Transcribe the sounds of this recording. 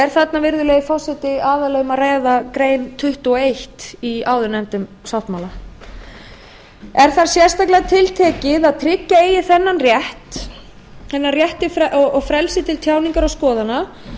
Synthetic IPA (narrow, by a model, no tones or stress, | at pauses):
ɛɾ̥θat̪navɪɾðʏlɛːɣɪfɔsɛt̪ɪaːðalœːɣʏmaraːjðakɾeːjnt̪ʰʏht̪uɔejht̪iaːwðʏnɛmt̪ʏm | sawht̪maːwla | ɛɾ̥θaɾ̥sjɛst̪ajklɛɣat̪ʰɪlt̪ʰɛːcɪðaðt̪ʰɾɪcːaeːjɪθɛnːanrjɛht̪ | θɛnːarjɛht̪ɪfʔɔɔɣfɾɛlsɪt̪ɪlt̪ʰjaːwniŋkaɾawskɔːðana